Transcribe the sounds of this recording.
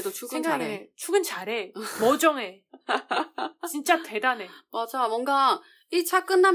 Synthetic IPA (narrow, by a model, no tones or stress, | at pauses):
dot͡ɕʰunaɾet͡ɕʰuɡɯnt͡ɕaɾemʌd͡ʑʌŋe | t͡ɕint͡ɕ͈ate̞dane̞mad͡ʑawʌŋɡa | it͡ɕak͈ɯnːam